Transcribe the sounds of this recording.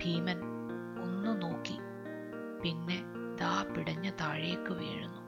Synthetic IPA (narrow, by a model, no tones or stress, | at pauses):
bʱiːmɐn | onːɨno̞ːkːi | pinːe̞ | d̪aːpiɽɐɲːɐt̪aːɻejekːɨʋeːɻunːu